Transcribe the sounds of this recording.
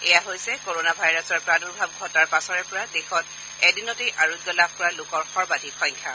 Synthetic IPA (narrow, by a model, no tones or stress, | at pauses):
ɛjaɦojsɛkoɹonabʱajɹɔsɔɹpɹaduɹbʱab̚ɡʱɔtaɹpasɔɹɛpɔɹadexɔt̚ | ɛdinɔtejʔaɹuɡjɔlabʱkɔɹalokɔɹxɔɹbadʱixɔ̃j̃ŋkʰa